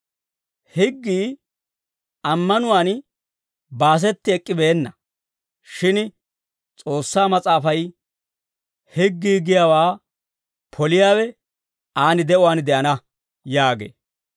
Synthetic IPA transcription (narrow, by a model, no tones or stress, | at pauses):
hɪɡːiː | ɐmːɐnʊwaːn | baːs̬ɛt̪ːɪɛkʼːɪbe̞ːnːɐ | ʃɪn | t͡sʼo̞ːsːaːmɐt͡sʼaːfɐj | hɪɡːiːɡɪjaːwaː | pʰɔlɪjaːwɛ | aːnɪd̪ɛʔʊwaːnd̪ɛʔɐnɐ | jaːɡḛː